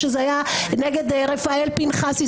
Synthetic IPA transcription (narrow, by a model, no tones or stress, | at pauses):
ʃezeajaneɡed̪ʁefaelpinχasi